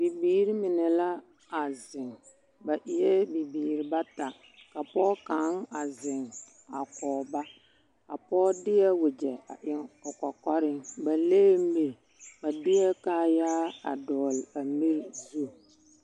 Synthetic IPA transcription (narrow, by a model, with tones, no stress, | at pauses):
bi˨biː˨ɾi˦mɪ˨nɛ˨la˦ | a˨zɪ˨ŋ | ba˨ʔɪ˨jɛ˦bi˨biː˨ɾi˨ba˦ta˨ | ka˨pɔː˦ka˨˦ŋa˨zɪ˨ŋ | a˨kɔː˨ba˦ | ka˨pɔː˦dɪ˦ɛ˦wʊ˨d͡ʒɛ˨a̰˨ʔɪ˨ŋɔ˨ka˨kɔ˦ɾɪ˦ŋba˨leː˦m˦me˨ | ba˨dɪ˦ɛ˦ka˦jaː˦a̰˨dɔː˨la˨mi˦ɾzu˦˨